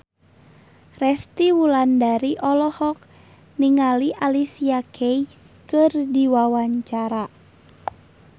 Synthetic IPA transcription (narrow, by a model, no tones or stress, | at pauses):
rɛst̪iwulandaɾiʔɔlɔhɔk̚ | niŋaliʔalisiakʰɛis | kɨrdiwawaɲt͡ʃaɾa